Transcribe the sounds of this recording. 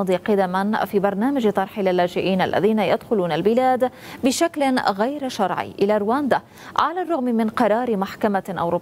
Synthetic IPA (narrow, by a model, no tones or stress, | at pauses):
d̪ˤiːqɑd̪amanfiːbɑɾˤnaːmad͡ʒt̪ˤɑɾˤħɪlalːaːd͡ʒɪʔiːna̰lːa̰ðiːnajad̪xʊluːnalbɪlaːd̪ | bɪʃaklɪɣajɾʃɑɾˤʕḭʔɪlaːɾwaːnd̪a | ʕalaːrˤːʊɣmɪmɪnqɑɾˤɑːɾɪmaħkamaʔa̰wɾuː